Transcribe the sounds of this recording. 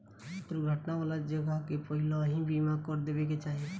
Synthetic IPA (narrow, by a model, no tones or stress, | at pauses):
t̪ɾuɡʱəʈnaʋaːlad͡ʒəɡəɦkepəɦiloɦĩbimakɔɾd̪eːbeket͡ʃaːɦie